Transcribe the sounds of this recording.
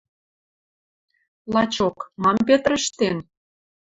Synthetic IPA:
lɑt͡ɕokmɑmpet̪rə̆ʃt̪en

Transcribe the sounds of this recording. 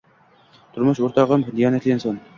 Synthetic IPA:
t̪ʰʊɾmʊʃoɾt̪ʰɑʁəmd̪ijɑːnɛt̪ʰlɪɪnson

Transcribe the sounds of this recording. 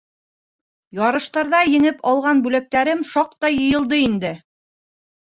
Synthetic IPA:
jɑɾɤ̆ʃt̪ɑɾðɑjɘ̆ŋɘpʰɑlˠʁɑnbʉlæk̚t̪æɾɘmʃɑq̚t̪ɑjɤ̆jɤ̆lˠd̪ɤind̪ɘ

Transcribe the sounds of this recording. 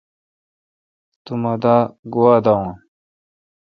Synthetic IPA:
t̪umɐd̪aɡuwaːd̪aũn

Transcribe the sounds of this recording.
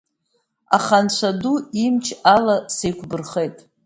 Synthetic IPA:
a̰χant͡ɕʷʰaduimt͡ʃʰalasejkʷʰbɨrχejtʼ

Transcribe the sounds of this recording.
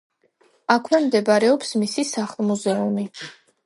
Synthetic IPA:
akʰwɛmd̪ɛbaɾɛɔpsmisisaχlˠmuzɛumi

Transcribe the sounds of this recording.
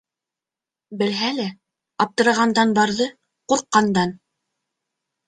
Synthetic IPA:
bɘ̆lɦælæ | ɑp̚t̪ɤ̆ɾɑʁɑnd̪ɑnbɑɾðɤ | quɾqːɑnd̪ɑn

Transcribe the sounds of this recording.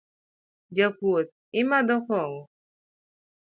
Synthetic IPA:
d͡ʒəkuot̪̚ | imadɔkɔwɔ

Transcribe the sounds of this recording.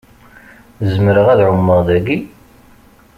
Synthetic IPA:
zəmɾəʁæðʕʊmːəʁðæɡi

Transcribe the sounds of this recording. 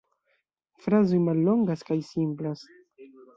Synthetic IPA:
fɾazojmalːo̞ŋɡaskajsimplas

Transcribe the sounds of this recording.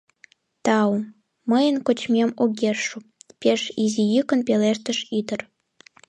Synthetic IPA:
t̪ɑu | məjənkot͡ɕmʲemoɡʲerʃupʲeʃizijɨkə̆npeleʃt̪ə̆ʃid̪ər

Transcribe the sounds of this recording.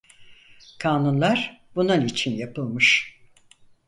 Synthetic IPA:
kʰaːnunlˠaɾ̥bununit͡ʃʰinjapɯlˠmɯʃ

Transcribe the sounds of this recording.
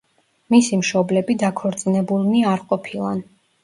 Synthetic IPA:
misimʃɔblɛbid̪akʰɔɾt̪sʼinɛbulˠmiaɾqʼɔpʰilˠa̰n

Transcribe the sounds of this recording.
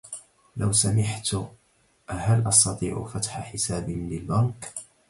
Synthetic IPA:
lawsamɪħt̪ | ʔhalʔɑst̪ɑt̪ˤiːʕʊ̰fat̪ħaħɪsaːbɪlɪlbaŋk

